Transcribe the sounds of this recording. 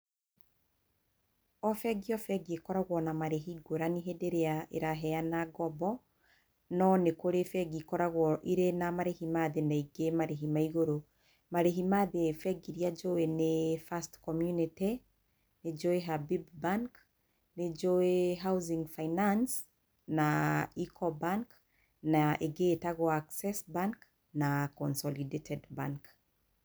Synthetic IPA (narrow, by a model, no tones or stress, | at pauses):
ɔfɛɡiɔfɛɡiekɔɾaɣwɔnamaɾeɦiɡoɾaniɦedeɾeaḛɾaɦɛanaɡɔbɔ | nɔnekoɾefɛɡikɔɾaɣwɔʔiɾenamaɾehimaðenaiɡemaɾeɦimaiɣoɾo | maɾeɦimaðefɛɡiɾiad͡ʒoenefastkɔmjunite | ned͡ʒoeɦabibbaŋk | ned͡ʒoeɦawziŋɡfajnans | naikɔbaŋk | naʔeɡetaɣɔaksɛsbaŋk | nakɔnsɔlidetɛdbaŋk